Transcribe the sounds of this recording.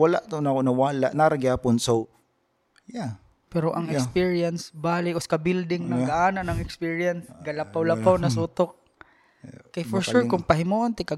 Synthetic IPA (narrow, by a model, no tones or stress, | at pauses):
walaʔt̪onakonɐwaːlaʔnaɾaɡɪhaːpʊnso | ja | pɛɾoʔɐŋɛkspiɹijɐnsbaːlɪoskabɪld̪ɪŋnɐŋɡaʔaːnanɐŋɛkspiɹjansɡɐlapawlapawnɐsuːt̪ok̚ | kajfɔɹʃuɾkʊŋpɐɦɪmuʔont̪ɪka